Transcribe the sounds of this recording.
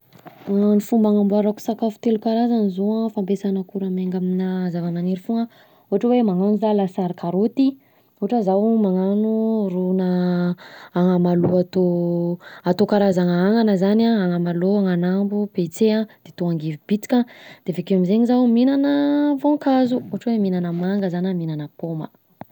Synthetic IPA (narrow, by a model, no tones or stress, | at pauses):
aanifumbaŋambuaɾaku̥sakafu̥t̪elukaɾazanzoafampesanəkuɾameŋɡaminazavananeɾifuŋə | oɦaʈ͡ʂəwemaŋanuzalasaɾkaɾot̪i | oaʈ͡ʂəzawmaŋanurunəː | ŋamaluat̪o | at̪okaɾazaŋaaŋanəzanaaŋamaloaŋanambupet͡sead̪̥et̪oaŋɡevibit͡si̥kʲãd̪̥evekewamizeɲizawminanəvokazuoɦaʈ͡ʂəweminanəmaŋɡəzanaminanəpomə̰